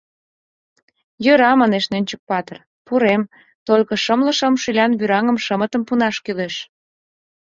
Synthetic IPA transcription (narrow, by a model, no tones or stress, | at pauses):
jøɾɑmɑneʃnønʲt͡ɕək̚pɑt̪ər | puɾem | t̪olʲkɤ̆ʃəmlə̆ʃəmʃylʲɑnβyɾɑŋə̆mʃəmət̪əmpunɑʃkyleʃ